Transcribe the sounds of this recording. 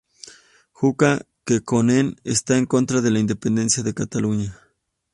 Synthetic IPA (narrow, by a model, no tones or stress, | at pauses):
xuka | kekonenest̪aeŋkont̪ɾaðelaind̪epend̪ensjaðekat̪aluɲa